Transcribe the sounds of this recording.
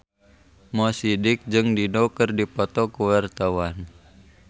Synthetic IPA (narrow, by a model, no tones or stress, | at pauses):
mɔsidɪk̚d͡ʒɨŋdinɔkɨrdipɔt̪ɔkuwart̪awan